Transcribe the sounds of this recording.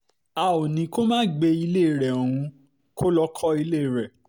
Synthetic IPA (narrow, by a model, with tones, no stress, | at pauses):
a˨˧o˨nĩ˨˧˦ko˦mãː˦ɡ͡be˧i˧le˦˨ɾɛ˨o˨ɾ̃ũ˧ | ko˦lɔ˦kʰɔ˦i˧le˦˨ɾɛ˨